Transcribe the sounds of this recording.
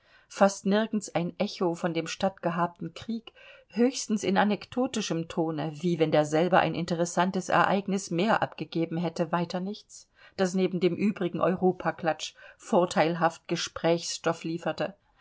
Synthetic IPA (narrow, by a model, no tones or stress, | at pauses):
fastnɪɐɡn̩saɪnʔɛçofɔndeːmʃtatɡ̥əɦaːp̚tn̩kʁ̥iːkhøːçstn̩sɪnanɛkd̥oːtɪʃəmtʰoːnəviːvɛndeːɐzɛlbɐʔa̰ɪnʔɪ̰ntəʁɛsantəsɛ̰ɐʔaɪɡnɪsmeːɐʔa̰pɡ̥əɡeːbm̩ɦɛtəvaɪtɐnɪçt͡s | d̥asneːbm̩deːmʔyːbʁɪɡŋ̩ʔɔ̰ʏʁoːpʰakl̥at͡ʃfoːɐtʰaɪlɦaft̚ɡ̥əʃpʁ̥ɛːçsʃtɔfliːfɐtə